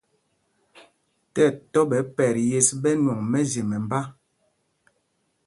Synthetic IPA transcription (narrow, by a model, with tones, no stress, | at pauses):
tɛ˦˨tɔ˦bɛ˨˦pɛ˨ɾje˨sbɛ˦nwɔ˨ŋmɛ˦ze˨mɛ˨m˨ba˦